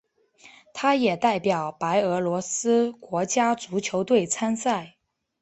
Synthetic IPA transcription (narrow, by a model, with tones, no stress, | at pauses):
t̪ʰa˥jɛ˨˩t̪a˥˩ɪpjɑ˨˩ʊpa˧˥ɪɤ˧˥lwɔ˧˥sɹ̩˥kwɔ˧˥t͡ɕja˥t͡su˧˥t͡ɕʰjo˧˥ʊt̪we˥˩ɪt͡sʰa˥nsa˥˩ɪ